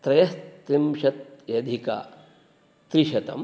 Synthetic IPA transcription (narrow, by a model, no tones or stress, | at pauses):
t̪ɾɐjɐst̪imʃɐt̪̚jɐd̪ʱika̰ | t̪ɾiʃɐt̪ɐ̰m